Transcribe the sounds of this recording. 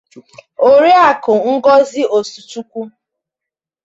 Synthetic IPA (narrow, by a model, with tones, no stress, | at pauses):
o˨ɾi˦a˨kʊ˨ŋ̩˦ɡɔ˦zi˦o˨su˨tu˦kʷu˦